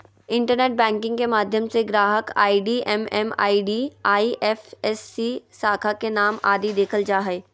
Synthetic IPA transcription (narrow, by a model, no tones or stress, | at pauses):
ɪ̃ɳʈəɾneːʈ̚bɛ̃ːŋkɪ̃ŋɡkemaːd̪ʱjəmseɡɾaːɦəka̰ːiɖiʔɛmɛma̰ːiɖiːaːiʔɛfɛsːisaːkʰakenaːma̰ːd̪id̪eːkʰəld͡ʒaːɦɛeː